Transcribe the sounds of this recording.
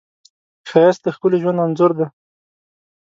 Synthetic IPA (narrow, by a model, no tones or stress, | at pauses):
xaas̚d̪əxpəleʒwand̪anzʊɾd̪e